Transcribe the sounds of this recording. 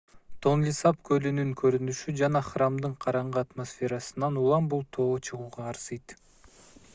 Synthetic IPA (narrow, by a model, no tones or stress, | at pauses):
t̪ʰo̞nlʲisɑpkʰølynyŋkʰøɾynyʃyd͡ʒɑnɑχramd̪ɯɴqʰɑɾɑɴʁɯat̪mosfʲe̞ɾɑsɯnɑnulˠɑmbulˠt̪ʰo̞ːt͡ʃʰɯʁuːʁɑːɾsɯjt̪